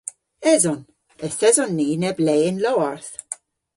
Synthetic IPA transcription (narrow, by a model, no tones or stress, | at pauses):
ɛzɔn | əsɛzɔnːiːnɛbleːɪnlɔːɹθ